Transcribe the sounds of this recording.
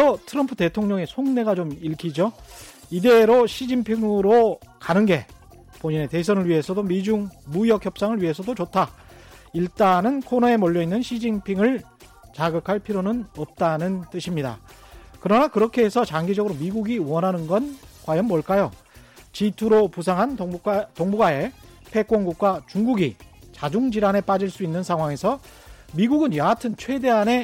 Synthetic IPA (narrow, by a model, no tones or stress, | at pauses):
ʌtʰɯɾʌmpʰute̞tʰoŋɲʌŋe̞sʰoŋne̞ɡat͡ɕomiɭkʰid͡ʑo | ide̞ɾoɕʰid͡ʑiŋpʰiŋɯɾokanɯnɡe̞ | poɲine̞te̞s̬ʰʌnɯɭɥiɦe̞sʰʌdomid͡ʑuŋmujʌk̚ʰçjʌp̚s͈aŋɯɭɥiɦe̞sʰʌdot͡ɕotʰa | iɭt͈anɯnkʰonae̞mʌʎːʌinːɯnɕʰid͡ʑiŋpʰiŋɯɭ | t͡ɕaɡɯkʰaɭpʰiɾjonɯnʌp̚t͈anɯnt͈ɯɕʰimɲida̰ | kɯɾʌnakɯɾʌkʰe̞ɦesʰʌt͡ɕaŋɡid͡ʑʌɡɯɾomiɡuɡiwʌnɦanɯnɡʌnkwajʌnmʌɭk͈ajo | t͡ɕitʰuɾopusʰaŋɦantoŋbuɡae̞ | pʰe̞k͈wʌŋɡuk̚k͈wat͡ɕuŋɡuɡit͡ɕad͡ʑuŋd͡ʑiɾane̞p͈ad͡ʑiɭs͈uinːɯnsʰaŋɦwaŋe̞sʰʌ | miɡuɡɯnjʌɦatʰɯnt͡ɕʰwe̞de̞ɦane̞